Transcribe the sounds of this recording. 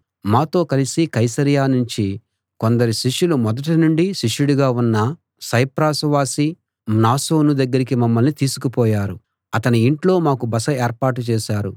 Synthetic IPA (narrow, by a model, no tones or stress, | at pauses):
maːt̪o̞ːkɐlisikɐjsɐɾijaːnuɲt͡ʃi | kond̪ɐɾuʃiʂulumɔd̪ɐʈɐnuɳɖiʃiʂuɽuɡaːunːɐ | sɐjpɾaːsʋaːsi | naːso̞ːnud̪ɐɡːɐɾik̬imɐmːɐlnit̪iːsukupɔːjaːɾu | ɐt̪ɐniiɳʈlo̞ːmaːkubɐsɐeːɾpaːʈ̬ut͡ʃɛːʃaːɾṵ